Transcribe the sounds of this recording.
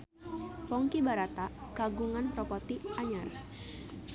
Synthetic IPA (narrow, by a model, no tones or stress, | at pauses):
pɔŋkibaɾat̪akaɡuŋanpɾɔpɔt̪iaɲar